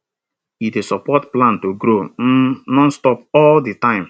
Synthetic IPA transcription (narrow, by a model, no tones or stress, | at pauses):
idesɔpɔtplãntoɡɾonɔ̃nstɔpɔlditãɪ̃m